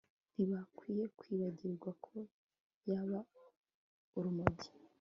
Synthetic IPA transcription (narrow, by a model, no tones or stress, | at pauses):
niβakwiːje̞kwiːβaɟiɾɡwakʰo̞ | jaβa | uɾumoɟi